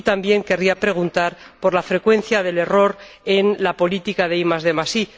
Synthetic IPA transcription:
t̪ambje̞ŋke̞riapɾe̞ɣ̞unt̪aɾpo̞ɾlafɾe̞kwe̞n̟θjaðe̞le̞ro̞ɾ | e̞nlapo̞lit̪ikaðeimazðe̞masi

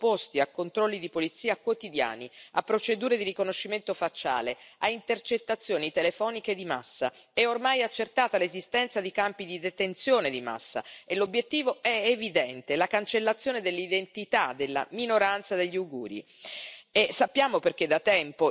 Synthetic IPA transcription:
post̪iakːont̪ɾɔlːid̪ipolit̪sːiːakwot̪id̪ja̰ːniapːɾot͡ʃed̪uːɾed̪irikonoʃːiment̪ofat͡ʃːa̰ːleaint̪ert͡ʃet̪ːat̪sːjoːnit̪elefɔːniked̪ima̰sːa̰ɛormajat͡ʃːert̪aːt̪alezist̪ɛnt̪sad̪ikampid̪id̪et̪ent̪sjoːned̪ima̰sːa̰elːobːjet̪ːiːvoɛevid̪ɛnt̪elakant͡ʃelːat̪sːjoːned̪elːid̪ent̪it̪ad̪elːa̰minoɾant̪sad̪eʎːiaɡuːɾḭ | esapːjaːmoperk̟ed̪at̪ːɛmpo

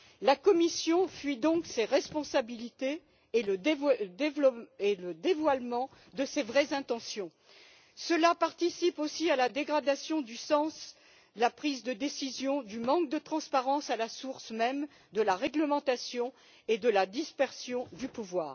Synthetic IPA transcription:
lakɔmisjɔ̃fɥid̪ɔ̃kseʁɛspɔ̃sabilit̪eː | ləd̪eveləd̪evwalmɑ̃ | d̪əsevʁɛzɛ̃t̪ɑ̃sjɔ̃ | səlapaʁt̪isiposialad̪eɡʁad̪asjɔ̃d̪ysɑ̃s | lapχizd̪əd̪esizjɔ̃d̪ymɑ̃kd̪ət̪χɑ̃spaʁɑ̃salasuʁsmɛm | d̪əlaʁɛɡləmɑ̃t̪asjɔ̃ | ed̪əlad̪ispɛʁsjɔ̃d̪ypuvwa̰ːʁ

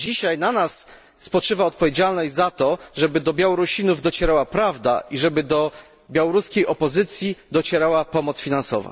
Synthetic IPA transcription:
d͡ʑiɕajnanasː | pɔt͡ʂɘvaɔt̪̚pɔvʲjed͡ʑalnɔʑʲzat̪ɔʐɛbɘd̪ɔbʲjawɔɾuɕinuvd̪ɔt͡ɕɛɾawapɾavd̪a̰ʔiʐɛbɘd̪ɔ | bʲjawɔɾuskʲejʔɔpɔzɘt̪sʲjid̪ɔt͡ɕɛɾawapɔmɔt̪sfʲinansɔ̰va̰

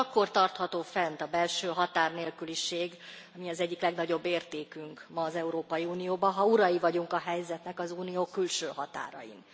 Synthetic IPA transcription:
ɒkːo̞rt̪ɒrt̪hɒt̪oːfɛnt̪ɒbɛlʃøːɦɒt̪aːrneːlkyliʃeːɡ | ɒmiɒzɛɟːiklɛɡnɒɟo̞bːeːrt̪eːkyŋkmɒːzɛuɾoːpɒjiuːnijoːbɒɦɒuɾɒjivɒɟuŋkɒɦɛjzɛt̪nɛkɒzuːnijoːkylʃøːɦɒt̪a̰ːɾɒ̰jḭn

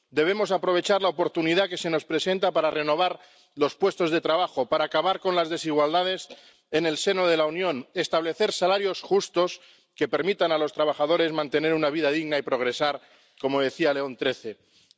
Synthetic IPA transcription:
d̪e̞β̞e̞mo̞sapɾo̞βe̞t͡ʃaɾlaopo̞ɾt̪uniðake̞se̞nospɾe̞sẽ̞nt̪apaɾare̞no̞β̞aɾ | lo̞spwe̞st̪o̞zðe̞t̪ɾaβaxo̞paɾaːkaβ̞aɾko̞nlazðe̞siɣwald̪að̞e̞s | ene̞lse̞no̞ð̞e̞launjõ̞ne̞st̪aβle̞θe̞ɾsalaɾjo̞sxust̪o̞s | ke̞pe̞ɾmit̪analo̞st̪ɾaβ̞aχað̞o̞ɾe̞zmãnt̪e̞ne̞ɾunaβ̞iðaðiɣnaipɾo̞ɣ̞ɾe̞saɾ | ko̞mo̞ðe̞θialeo̞nt̪ɾe̞θe

